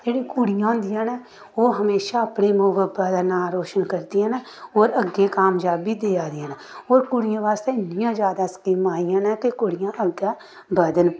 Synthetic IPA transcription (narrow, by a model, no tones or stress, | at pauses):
d͡ʒeːɽiːkʊɽɪjãːnd̪ɪjãːnɛː | oːɦəmeːʃaːəpɽeːmoːʋəbəd̪naːɾoːʃənkəɾd̪iɛnː | oːɾəɡːeːkaːmd͡ʒaːbiːd̪eːaːd̪ãːn | oːɾkʊɽɪjãːʋaːst̪eːɪnːɪjãːd͡ʒjaːd̪aːskiːmaːijãːnɛ̃ːk̪ekʊɽɪjãːʔəɡːaː | bəd̪ən